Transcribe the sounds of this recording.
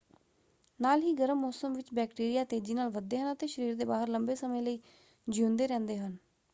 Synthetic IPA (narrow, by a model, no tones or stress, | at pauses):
naːlɦiːɡəɾəmːɔːsəmʋɪt͡ʃbɛːkʈiːɾijaːt̪eːd͡ʒiːnaːlʋəd̪ːeːɦənət̪eːʃəɾiːɾd̪eːbaːɦəɾləmbeːsəmẽːləiː | d͡ʒiʊ̃nd̪eːɾɛ̃ːnd̪eːɦən